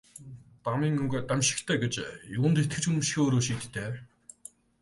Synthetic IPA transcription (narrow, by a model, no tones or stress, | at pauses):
t̪amiːŋɵŋɡat̪amɕɪ̥̆kt̪ʰeːɡet͡ɕjʊnt̪et̪̚ɡɘ̆t͡ɕɵɾ̆mʃxʲoːɾoːʃiːt̪ʰːeː